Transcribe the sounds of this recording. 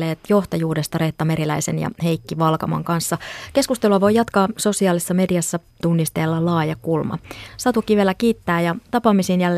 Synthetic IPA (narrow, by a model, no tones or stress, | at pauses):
eːt̪jo̞ht̪ɑjuːde̞st̪ɑɾe̞ht̪ːɑmeɾilæisḛnjɑ̰he̞jkːiʋɑlkɑmɑ̰ŋkɑnsːɑke̞skust̪eluɑʋo̞jɑt̪kɑːso̞siɑːlisːɑme̞diɑsːɑ | t̪unːist̪elːɑlɑːjɑkulmɑ̰sɑt̪ukːˑiːʋielækiːt̪ːæːjɑt̪ɑpɑmisiːnjælː